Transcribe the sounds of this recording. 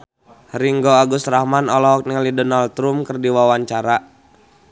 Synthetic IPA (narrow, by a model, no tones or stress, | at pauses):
ɾiŋɡoaɡust̪ɾahmanɔlɔɦɔk̚niŋalidɔnalt̪ɾumkɨrdiwawaɲt͡ʃaɾa